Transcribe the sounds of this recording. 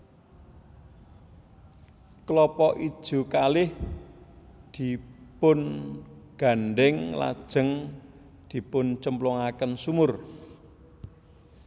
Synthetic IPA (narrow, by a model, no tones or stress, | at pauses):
klɔpɔʔid̥ʒ̥ṳkalɪh | d̪̥i̤pʊnɡ̥a̤nɖɪŋla̰d̥ʒ̥ə̤ŋ | d̪̥i̤pʊnt͡ʃəmplɔŋakənsumʊr